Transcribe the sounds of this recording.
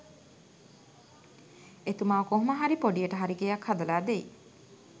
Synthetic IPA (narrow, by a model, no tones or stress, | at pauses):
et̪umaːʋkoɦuməɦaɾipoɖijəʈəɦaɾiɡejakʰhad̪ɐlaːd̪ej